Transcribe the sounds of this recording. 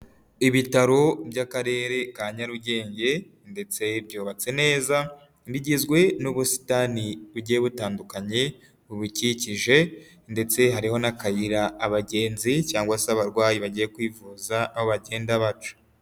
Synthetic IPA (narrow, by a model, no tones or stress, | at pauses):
iβitaɾo̞bjakaɾe̞ːɾe̞kaːɲaɾuɟe̞ːɲɟe̞ | nde̞t͡se̞bjo̞ːβat͡se̞ne̞ːza | ndiɟizɡwe̞nuβusi̥taniβuɟieβutaːndukaɲe̞ | βuβuciciʒe̞ | nde̞t͡se̞ɦaɾiho̞nakajiɾaːβaɟe̞ːnzicaːŋɡwasaːβaɾɡwaːjiβaɟijekwiːvuzaːhoβaɟe̞ːndaβat͡ʃu̥